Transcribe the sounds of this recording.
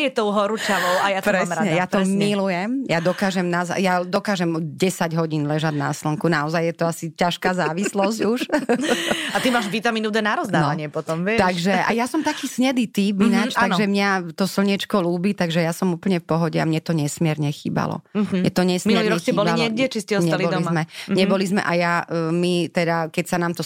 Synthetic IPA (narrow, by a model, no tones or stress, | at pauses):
jɛt̪ɔʊɦɔɾut͡ʃalɔʊajaɾɛaɲɛjat̪ɔmːilujɛmjad̪ɔkaːʒɛmnaza̰jad̪ɔkaːʒɛmɟɛsaɟɦɔɟiːnlɛʒad̪na̰sl̩ŋkunaɔzajɛt̪ɔasicaʃkaːzaːʋislɔzɟuʃ | at̪imaːʒʋit̪amiːnud̪ɛnaɾɔzd̪anːɔaɲɪɛpɔt̪ɔmʋɪɛt̪aɡʒɛʔa̰jasɔmt̪akiːsɲɛd̪iːt̪iːbinat͡ʃt̪ːaɡʒɛmɲat̪ɔsl̩ɲit͡ʃkɔluːbiːt̪aɡʒɛjasɔmuːpl̩ɲɛfpɔɦɔɟɛa̰mɲɛt̪ɔɲɛsmɪɛɾɲɛxḭːba̰lɔ̰mɲɛt̪ɔɲɛsmiɛuliːɾɔɛkxsɛiːbɔlbialɲɛɡɟɛt͡ʃiscɛɔsɲɛalibɔlizmɛɲɛbɔlizmɛ̰ʔajamit̪ɛd̪akɛcsanaːmt̪ɔ